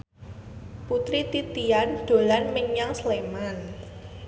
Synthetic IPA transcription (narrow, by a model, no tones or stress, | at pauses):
put̪ɾit̪it̪iand̪̥o̤lanməɲaŋsleman